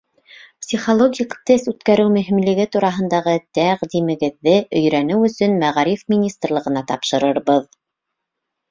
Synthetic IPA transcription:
psʲiχolˠoɡʲikt̪ɘsʉt̪kæɾɘwmɵ̆ɦĭmlɘ̆ɡɘt̪uɾɑɦɤ̆nd̪ɑʁɤt̪æʁd̪imɘ̆ɡɘ̆ðːɘʔɵ̆jɾænɘwɵ̆sɵnmæʁɾifmʲinʲist̪rlˠɤ̆ʁɤ̆nɑt̪ɑpʃɤ̆ɾɤɾβɤð

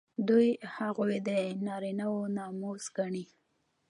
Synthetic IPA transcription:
d̪ujhaɣojed̪ənɑɾinawonɑmozɡaɳi

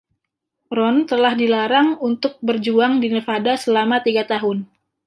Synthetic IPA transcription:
ɾɔnt̪əlahdilaɾaŋunt̪ʊk̚bərd͡ʒuaŋdinəfadasəlamat̪iɡat̪aɦʊn

